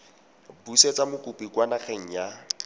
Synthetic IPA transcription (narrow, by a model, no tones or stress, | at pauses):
buset͡samʊkʼupʼikʼwanaχɛŋ̩ja